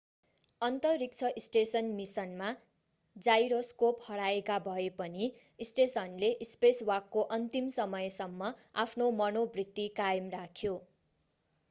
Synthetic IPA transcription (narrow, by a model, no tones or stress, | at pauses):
ʌnt̪ʌrrik̚t͡sʰʌʔisʈesʌnmisʌnma | d͡zajɾoskophʌɽaekabʱʌepʌni | isʈesʌnleʔispeswʌkːoʔʌnt̪imsʌmʌjsʌmːʌapʰnomʌnobrit̪ːikajʌmrakʰjo